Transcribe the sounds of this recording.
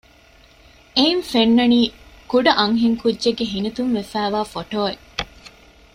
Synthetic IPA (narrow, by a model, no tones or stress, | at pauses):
einfenːɐniːkuɖɐʔɐŋɦiŋkudːʒeɡːeɦinɐt̪unʋefæːʋaːfoʈoːe